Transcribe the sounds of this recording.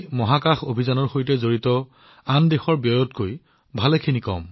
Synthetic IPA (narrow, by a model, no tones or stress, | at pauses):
mɔɦakaxobʱizanɔɹxojtɛzoɹitɔ | andexɔɹbjɔjɔtkoj | bʱalekʰinikɔ̰m